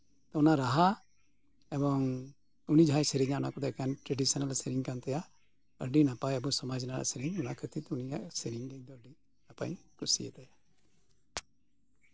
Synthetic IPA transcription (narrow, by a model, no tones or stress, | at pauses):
t̪ɔ̃ɔnaɾaɦa | ɛbɔŋ | unid͡ʒʱajsəɾiɲãɔnakɔd̪ɔkanʈɾɛɖisɔnalsɛɾiŋkant̪ɛjaʔ | əɾɖinapajabusɔmad͡ʒnaɾa̰ʔsiɾiŋɔnakʰət̪it̪unijaʔsɛɾiŋɡɛd̪ɔɾɖi | napa̰jkusḭjɛ̰t̪aja